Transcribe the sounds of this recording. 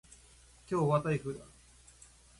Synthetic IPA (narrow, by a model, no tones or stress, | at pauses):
kʲo̞ːβat̪aiɸɯ̟ːd̪a